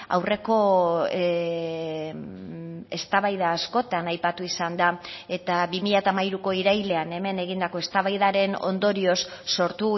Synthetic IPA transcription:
a̰wre̞ko̞ | e̞st̪aβajðaːsko̞t̪anajpat̪uisand̪ae̞t̪aβimiʎat̪aːmajɾuko̞iɾajle̞ane̞me̞ne̞ɣind̪ako̞e̞st̪aβajðaɾe̞no̞̰nd̪o̞ɾio̞sːo̞ɾt̪u

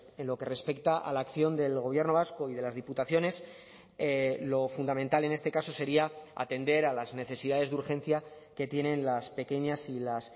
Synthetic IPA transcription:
e̞nlo̞ke̞re̞spe̞kt̪aʔa̰laːkθjo̞nd̪e̞lɣo̞βje̞ɾno̞β̞asko̞iðe̞lazðiput̪aθjo̞ne̞s | elo̞fund̪amẽ̞nt̪ale̞ne̞st̪e̞kaso̞se̞ɾiaa̰t̪e̞nd̪e̞ɾalazne̞θe̞siðaðe̞zðuɾxe̞n̟θja | ke̞t̪je̞nẽ̞nlaspe̞ke̞ɲasilas

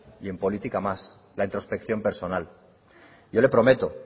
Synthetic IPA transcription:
je̞mpo̞lit̪ikamas | laint̪ɾo̞spe̞kθjo̞mpe̞ɾso̞nal | ɟ͡ʝo̞le̞pɾo̞me̞t̪o̞

